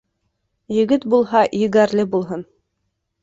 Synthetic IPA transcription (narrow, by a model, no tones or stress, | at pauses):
jɘ̆ɡɘt̪bulˠɦɑjɘ̆ɡæɾlɘbulˠɦɤn